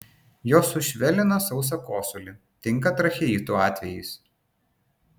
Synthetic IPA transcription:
joːsʊʃʲʋʲɛlʲɪnɐsɒʊs̬ɐkoːsʊlʲɪ | t̪ʲɪŋˑkɐt̪ɾɐxʲɛiːt̪uɑːt̪ʲʋʲɛjɪɪs

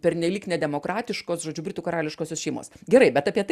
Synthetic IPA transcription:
pʲɛɾʲnʲɛlʲiːknʲɛd̪ʲɛmoːkɾɑːt̪ʲɪʃkoːsʒoːd͡ʒʲʊbʲɾʲɪt̪uːkɐɾɑːlʲɪʃkoːsʲoːsʃʲɛɪmo̰ːsɡʲɛɾɐɪbʲɛt̪ɐpʲiɛt̪

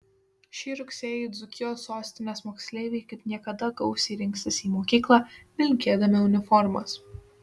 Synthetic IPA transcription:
ʃʲiːɾʊksʲeːjʊd̪zʊkʲɪjoːsːoːsʲt̪ʲɪnʲeːsmoːksʲlʲeːʋʲeɪkɐɪpnʲiɛkɐd̪ɐɡɐʊsʲiːɾʲɪŋʲˑkst̪ɐsiːmoːkʲiːklˠɑːmʲɪlʲkʲeɛd̪ɐmʲɪʊnʲɪfɔɾmɐ̰s

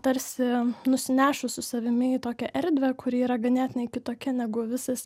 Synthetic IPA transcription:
t̪ɐɾʲsʲɪnʊsʲɪnʲæːʃʊsʊsɐʋʲɪmʲɪt̪oːkʲɛʔɛɾʲd̪ʲʋʲɛkʰʊɾʲɪiːɾɐɡɐnʲæːt̪ʲɪnʲɛɪkʲɪt̪oːkʲɛnʲæɡʊʋʲɪsɐs

